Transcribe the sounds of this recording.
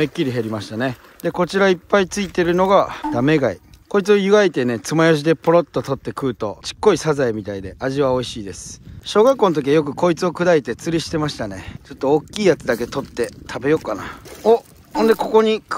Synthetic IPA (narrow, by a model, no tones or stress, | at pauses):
ekʲːiɾʲiɦeɾʲimaɕi̥t̪ane̞ | d̪e̞ko̞t͡ɕiɾaipːait͡sɨit̪e̞ɾɯ̟no̞ɡad̪̥ame̞ɡaḭko̞it͡sɨojɯ̟ɡait̪e̞ne̞t͡sɨmajoɕ̬id̪e̞poɾo̞t̪ːo̞t̪o̞t̪ːe̞kɯ̟ːt̪o̞t͡ɕi̥kːo̞isazaimʲit̪aid̪e̞ʔaʑiβao̞iɕiːd̪e̞sɨ̥ɕo̞ːɡakːonot̪̬okʲiajo̞k̬ɯ̟ko̞it͡sɨo̞kɯ̟d̪ait̪e̞t͡sɨɾʲiɕi̥t̪e̞maɕi̥t̪ane̞t͡ɕo̞t̪ːo̞okʲːiːjat͡sɨd̪ake̞t̪o̞t̪ːe̞t̪ʰabe̞jo̞kːana̰o | hond̪e̞ko̞ko̞ɲ̟ik